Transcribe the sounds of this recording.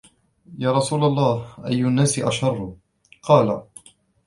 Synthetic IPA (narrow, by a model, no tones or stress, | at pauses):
jaːɾˤɑsuːlalˤːɑːhʔajːʊʔanːaːsɪʔaʃɑrˤːʊ | qɑːla̰